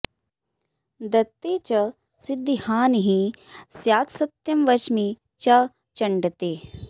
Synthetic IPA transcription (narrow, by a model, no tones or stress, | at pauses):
d̪ɐt̪ːeːt͡ʃɐ | sid̪ʱːihaːnɦĩsjaːt̪sɐt̪jɐmʋɐt͡ʃmi | t͡ʃɐ | t͡ʃɐɳɖɐt̪eː